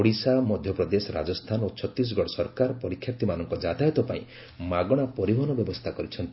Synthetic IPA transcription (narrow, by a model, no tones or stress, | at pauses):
ɽisamɔd̪ʱjɔpɾɔd̪esɔɾa̰d͡ʒɔst̪ʰanot͡ʃʰɔt̪ɾis̬ɔɡʱɔɽɔsɔɾkaɾpɔɾikʰːjap̚t̪imanɔŋkɔd͡ʒat̪ajɔt̪ɔpaĩ | maɡɔɽ̃apɔɾibʱɔnɔbjɔbɔst̪ʰakɔɾit͡ʃʰɔnt̪i